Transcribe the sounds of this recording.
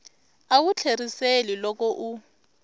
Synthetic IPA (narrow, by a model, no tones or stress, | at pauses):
awut͡ɬʰeriselilɔk̬ʼɔʔu